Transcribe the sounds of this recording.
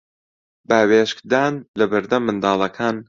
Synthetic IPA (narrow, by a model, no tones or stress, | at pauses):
baːweːʃkd̪aːnlɐbɨɾd̪ɐmːɨnd̪ɑːlˠɐkʰaːn